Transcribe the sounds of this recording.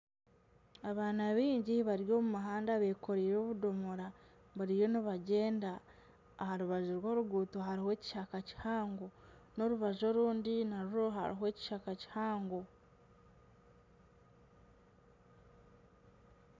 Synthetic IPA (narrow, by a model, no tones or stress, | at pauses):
aβaːnaβiːɲɟiβaɾijo̞ːmumaɦaːndaβeːkʰo̞ɾiːɾo̞ːβudo̞moɾa | βuɾijoniβaɟe̞ːndaː | haɾuβaʒuɾwo̞ːɾuɡuːtoɦaɾihe̞ːci̥ʃakaci̥haːŋɡo̞ | no̞ɾuβaʒo̞ɾuːndinaɾuɾoɦa̰ɾḭɦwe̞ːci̥ʃakaci̥haːŋɡo̞